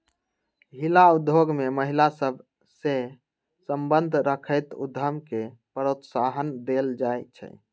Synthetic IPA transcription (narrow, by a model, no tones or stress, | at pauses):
ɦilaud̪ʱjoɡmeməɦilasəbʱ | se | səmbənd̪ʱɾəkʰəjt̪ṵd̪ʱːəmkepəɾot̪saɦənd̪eld͡ʒajt͡ʃʰɛ̰